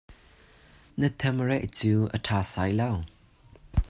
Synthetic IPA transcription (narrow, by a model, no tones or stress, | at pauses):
nət̪ʰɛmrɛʔ̚t͡suːʔətʰaːsajlɐw